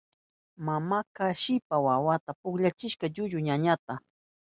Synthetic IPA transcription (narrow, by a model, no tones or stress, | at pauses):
mamakaʃɪpawawat̪apʊkʎat͡ʃɪʃkaʎʊʎʊɲaɲat̪a